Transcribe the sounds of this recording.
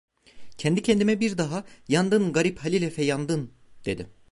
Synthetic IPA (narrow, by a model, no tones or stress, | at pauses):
cʰɛnd̪icʰɛnd̪imɛbiɾd̪aɦajand̪ɯnɡaɾiphalʲilʲɛfɛjand̪ɯn | d̪̥e̞̰d̪ḭ